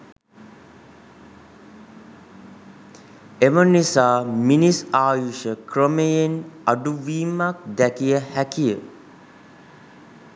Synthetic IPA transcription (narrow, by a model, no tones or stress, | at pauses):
emənisaːminisaːjuʃəkɾəmejenaɖuʋiːmak̚d̪ækijəhækijə